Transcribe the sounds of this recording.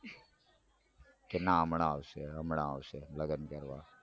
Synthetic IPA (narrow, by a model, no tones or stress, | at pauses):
kenaəmɳaʋʃeɦəmɳaəʋʃeləɡənkəɾʋaː